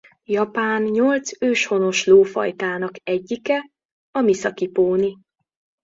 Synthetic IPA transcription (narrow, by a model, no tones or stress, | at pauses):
jɒpaːnɲolt̪søːʃho̞no̞ʃloːfɒ̰jt̪aːnɒkɛɟːikɛ | ɒmisɒkipoːni